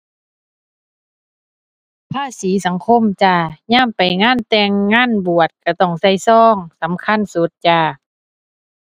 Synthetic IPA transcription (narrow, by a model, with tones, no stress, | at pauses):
pʰaː˧˥˨siː˨˦sa˨˦ŋkʰo˧˥˨mt͡ɕaː˧ɲaː˧˥˨mpa˨˩jŋaː˧˥˨nt̪ɛː˧ŋːaː˧˥˨nbu˨˩ət̪̚ka˧˩t̪ɔ˧˩ŋsa˧˥˩jsɔː˧˥˩ŋsa˨˦mkʰa˧˥˨nsu˨˦t̪̚t͡ɕaː˧˩